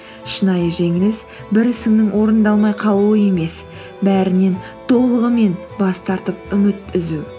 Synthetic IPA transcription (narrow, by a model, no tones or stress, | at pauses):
ʃənɑjəʒe̞ŋɪlɪs | bɪɾɪsɪŋnɪŋwo̞ɾənd̪ɑlˠmɑjqʰɑw̪ˠuəje̞me̞s | bæɾɪne̞n | t̪ʰo̞lˠəʁəme̞n | bɑst̪ɑɾt̪əp̚ʏmɪt̪ɪzu